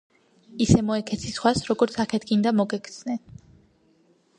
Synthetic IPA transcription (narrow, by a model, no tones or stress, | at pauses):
isɛmɔɛkʰɛt̪sʰisχwasɾɔɡɔɾt̪sʰakʰɛt̪ʰɡind̪amɔɡɛk̪ʰsnɛn